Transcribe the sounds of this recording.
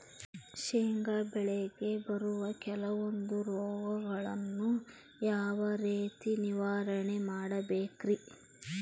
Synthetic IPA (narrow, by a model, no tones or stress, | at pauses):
ʃeːŋɡɐbɛɭɛɡe̞bɐɾuʋɐkɛlɐʋond̪uɾɔːɡɐɡɐɭɐnːu | jaːʋɐɾeːt̪iniʋaːɾɐɳemaːɽɐbeːkɾi